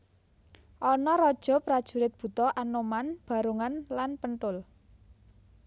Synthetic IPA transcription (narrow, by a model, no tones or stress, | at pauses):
ʔɔnɔɾɔd̥ʒ̥ɔ̤pɾad̥ʒ̥ṳɾɪt̪̚b̥ṳt̪ɔʔanomanb̥a̤ɾuŋanlanpəɳʈ̪ʊl